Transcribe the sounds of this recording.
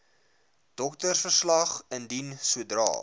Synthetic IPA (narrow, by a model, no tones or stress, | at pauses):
d̥ɔk̚tərsfərslɐχəndinsuədrɑ̰ː